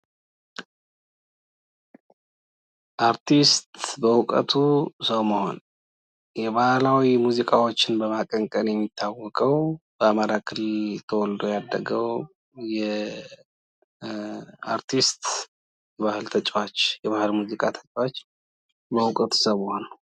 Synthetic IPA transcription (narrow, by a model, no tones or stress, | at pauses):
ʔaɾt̪ʰist̪bəʊkʼə̰t̪ʰusəwmoho̞̰n | jɛbahlawimuzikʼawot͡ʃːɪnbəmakʼəŋkʼənjɛmːit̪ʰːawːɔkʼəwb̥əamaɾakʰɨlit̪ʰəwɔld̪ojad̪ːəɡəw | jɛ | a̰ɾt̪ʰist̪ | jɛβahɨlt̪ʰət͡ʃʼwat͡ʃːjɛβahɨlmuzikʼat̪ʰət͡ʃʼwat͡ʃː | bəwʊkʼət̪ʰu̥səwməhon